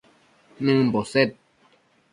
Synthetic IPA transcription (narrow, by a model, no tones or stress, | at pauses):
nɨ̃m̩boset̪̚